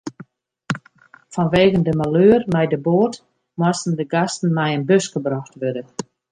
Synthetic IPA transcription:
fɔnʋeːɣəndəmaløːrmɛjdəboːrt | mwastən̩dəɡastn̩mɛjənbøsɡəbraxtʋødə

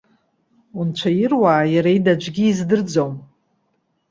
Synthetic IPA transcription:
unt͡ʃʷʰajɪrwaːjaɾaidad͡ʒʷɡʲiːzdɨrd͡zom

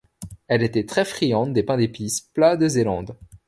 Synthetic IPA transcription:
ɛlet̪ɛt̪χɛfχijɑ̃t̪̚d̪epɛ̃d̪episplad̪əzelɑ̃d̪

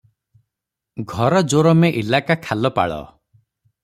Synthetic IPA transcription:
ɡʱɔɾɔd͡ʒoɾɔmeʔilakakʰalɔpa̰ɭɔ̰

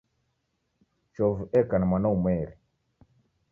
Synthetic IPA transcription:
t͡ʃɔvɛkanamanaumɛɾi

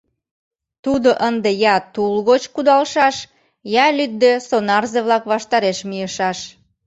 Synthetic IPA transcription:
t̪ud̪oʔənd̪ejɑt̪ulɣot͡ɕkud̪ɑlʃɑʃ | jɑlyt̪̚d̪esonɑrzeβlɑkβɑʃt̪ɑɾeʃmijəʃɑʃ

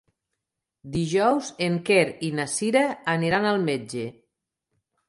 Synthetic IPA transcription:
d̪iʒɔwzeŋkeɾinasiɾaːniɾanalˠmed͡ʒe

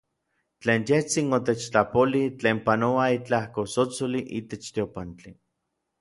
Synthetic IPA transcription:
t͡ɬeːnjeht͡sinot̪et͡ʃt͡ɬapolit͡ɬeːmpanoait͡ɬahkosot͡soliʔit̪et͡ʃt̪iopant͡ɬi

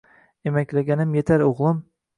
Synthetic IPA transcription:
emɛkʲlæɡʲɛnɪmjet̪ʰæɾoʁlˠɨm

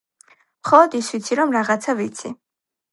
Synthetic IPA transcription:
mχɔlˠɔd̪isvit̪sʰiɾɔmɾaʁat̪sʰavit̪sʰi

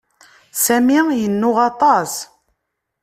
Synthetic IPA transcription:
sæmijənːʊʁɑt̪ˤɑs

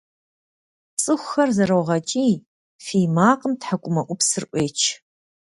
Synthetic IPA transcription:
t͡sʼɨxʷxɐrzɐɾɐwʁɐt͡ʃʼiː | fiːjmaːqəmtħakʷʼʊmɐʔʷʊpsɨrʔʷeːt͡ʃʰ

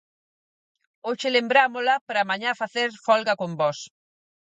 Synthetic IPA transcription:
oʃɪlembɾamolɐpɾamaɲãfaθeɾfɔlɣɐkombɔs

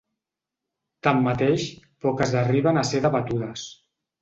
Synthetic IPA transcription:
t̪amːat̪eʃpɔkəzəriβənaseðəβat̪uðəs

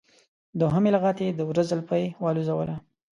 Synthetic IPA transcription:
d̪oɦəmelaɣɑt̪ed̪əwɾazəlpajwɑluzawə̰la

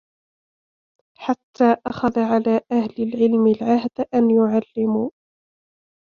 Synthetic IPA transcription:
ħat̪ːaːʔaxaðaʕalaːʔahlɪlʕɪlmɪlʕahd̪ʔanjʊʕalːɪmuː

